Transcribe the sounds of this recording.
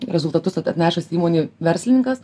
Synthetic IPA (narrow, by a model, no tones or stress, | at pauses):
ɾʲɛzʊlˠt̪ɐt̪ʊsɐt̪ɐt̪ʲnʲæːʃɐsiːmoːnʲiːʋʲɛɾʲsʲlʲɪnʲɪŋkɐs